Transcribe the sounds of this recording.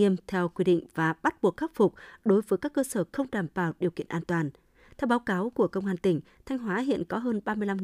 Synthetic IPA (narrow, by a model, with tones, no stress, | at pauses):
əmt̪ʰɛ˧wkwi˧ɗḭ˧˨ŋ̟vaː˨˩ɓa˦˥t̚ɓu˨˩ək̚xaː˦˥t̚fʊ˨˩k͡p̚ɗo˨˦jvəː˨˦jkaː˦˥kːəː˧səː˧˩xə˧wŋ͡mɗaː˨˧˩mɓaː˨˩wɗi˨˩əwkḭ˧˨ənʔaː˧nt̪waː˨˩n | t̪ʰɛ˧wɓaː˨˦wkaː˨˦wku˧˩əkə˧wŋ͡mʔaː˧nt̪ï˧˩ŋ̟ | t̪ʰɛ˧jŋ̟ɦwaː˨˦ɦḭ˧˨ənkɔ˨˦ɦəː˧nɓaː˧mɨ˧əla˧m